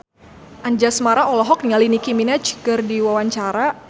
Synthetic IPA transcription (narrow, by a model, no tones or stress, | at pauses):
ʔand͡ʒasmaɾaɔlɔɦɔk̚ŋalinikiminat͡ʃkərdiwawaɲt͡ʃaɾa